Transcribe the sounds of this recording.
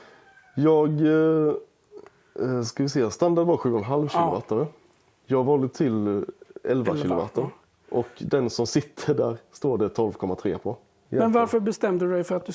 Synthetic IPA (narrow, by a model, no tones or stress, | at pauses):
jɑːɡ | skavɪsɛjːast̪and̪aɖ̪vɑɧʉ̟ːɔnɾɦalvɕiːlʊ̰va̰ːt̪aɾə | jɑːɡvɑːld̪ət̪ʰɪl | ɛlva̰lɕɪːlʊva̰t̪a | ʔɔkd̪ɛnsɔmsɪt̪ʰːəɖæ̰ːɾst̪oːɖɛt̪ʰɔlvkʰɔmːat̪ʰɾḛːpʰɔ | mɛnvaɾfəɾbɛst̪ɛmd̪dɛjfœɾat̪̚d̪